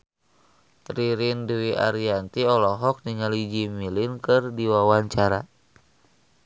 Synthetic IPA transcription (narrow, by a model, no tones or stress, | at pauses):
riɾinduwiʔa̰ɾiant̪iɔlɔɦɔk̚niŋalid͡ʒimilinkɨrdiwawaɲt͡ʃaɾa